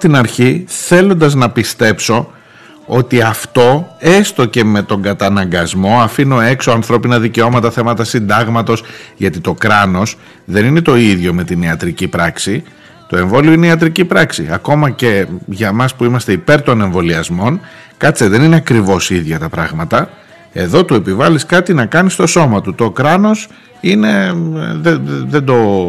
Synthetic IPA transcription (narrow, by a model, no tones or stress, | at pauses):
t̪inɐɾçiθe̞lo̞nd̪ɐznɐpist̪e̞pso̞ | o̞t̪iɐft̪o̞e̞st̪o̞ce̞me̞t̪o̞ŋɡɐt̪ɐnɐŋɡɐzmo̞ɐfino̞e̞kso̞ɐnθɾo̞pinɐðice̞o̞mɐt̪ɐθe̞mɐt̪ɐsind̪ɐɣmɐt̪o̞sʝɐt̪it̪o̞kɾɐno̞s | ðe̞nine̞t̪o̞iðʝo̞me̞t̪ineɐt̪ɾicipɾɐksi | t̪o̞e̞ɱvo̞lioineiɐt̪ɾicipɾɐksḭɐko̞mɐce̞ʝɐmɐspuimɐst̪e̞ipe̞ɾt̪o̞ne̞ɱvo̞liɐzmo̞n | kɐt͡seðe̞nineɐkɾivo̞siðʝɐt̪ɐpɾɐɣmɐt̪ɐ | e̞ðo̞t̪ue̞pivɐliskɐt̪inɐkɐnist̪o̞so̞mɐt̪ut̪o̞kɾɐno̞s | ine̞ðeðe̞nd̪o̞